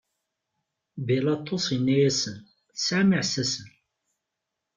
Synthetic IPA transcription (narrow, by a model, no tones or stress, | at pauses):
bilɑt̪ˤːosˤinːæjæsən | θsaməʕsæsən